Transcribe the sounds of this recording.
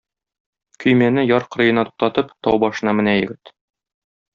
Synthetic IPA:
kʰɵ̆jmænɘjɒɾqɤ̆ɾɤ̆jɤ̆nɑt̪u̥q̚t̪ɑt̪ɤpt̪ɒwbɒʃɤ̆nɑmɘ̆næjɘ̆ɡɘt̪

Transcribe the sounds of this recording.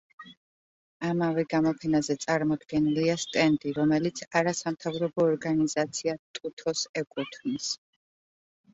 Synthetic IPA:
amavɛɡamɔpʰɛnazɛt̪sʼaɾmɔd̪ɡɛniliast̪ʼɛnd̪ʼiɾɔmɛlit̪sʰaɾasamt̪ʰavɾɔbɔːɾɡanizat̪sʰiat̪ʼut̪ʰɔsɛkʼut̪ʰnis

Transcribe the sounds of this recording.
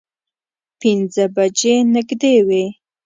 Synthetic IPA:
pɪnzəbad͡ʒenɪɡd̪ewe

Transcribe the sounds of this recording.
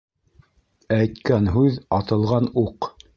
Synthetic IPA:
æjt̪kænɦʉðɑt̪ɤ̆lˠʁɑnuq

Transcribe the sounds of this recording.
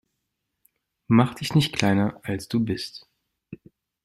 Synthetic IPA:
maχd̥ɪçnɪçtkʰl̥aɪnɐʔalsd̥uːbɪst

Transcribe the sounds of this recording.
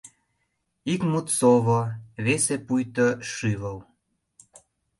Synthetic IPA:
ikmut̪soβoβesepujt̪əʃyβəl

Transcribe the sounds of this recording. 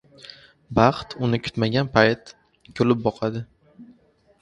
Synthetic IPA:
bɑχt̪ʰʊnɪkʰʊ̥t̪maɡʲanpʰajt̪ | kʲʰolɪp̚bɒqʰad̪ɪ

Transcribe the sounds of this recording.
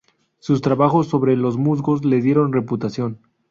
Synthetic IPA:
sust̪ɾaβaxo̞sːo̞βɾe̞lo̞zmuzɡo̞zle̞ðjeɾo̞nre̞put̪asjo̞n

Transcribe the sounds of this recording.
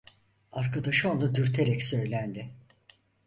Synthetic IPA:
aɾkʰad̪aʃɯonˠud̪yɾt̪ʰeɾɛcsø̞jlʲænd̪ɪ

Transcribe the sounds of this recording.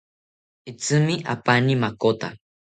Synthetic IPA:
it͡sɨmĩʔa̰panimakot̪a̰

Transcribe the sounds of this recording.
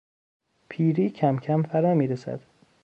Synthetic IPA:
pʰiːɾiːcʰæmcʰæmfæɾɑːmiːɾesæ̰d̪̥

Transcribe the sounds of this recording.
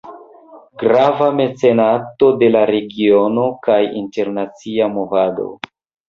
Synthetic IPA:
ɡɾavame̞t͡se̞natode̞laɾe̞ɡio̞no̞kajinte̞ɾnat͡siamo̞vado̰

